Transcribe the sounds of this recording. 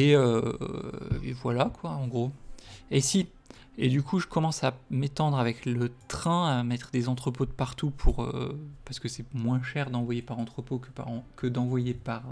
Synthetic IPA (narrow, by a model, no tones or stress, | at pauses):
eø | ḛvwalakʰwaɑ̃ɡʁoesi | ed̪ykʰuʒəkɔmɑ̃samet̪ɑ̃d̪ʁavɛklət̪χɛ̃amɛt̪χəd̪ezɑ̃t̪χəpod̪əpaʁt̪upʰuʁø̰paʁsə̥kəsɛmwɛ̃ʃɛʁd̪ɑ̃vwajepaʁɑ̃t̪χəpokəpa̰ʁkəd̪ɑ̃vwajepaʁ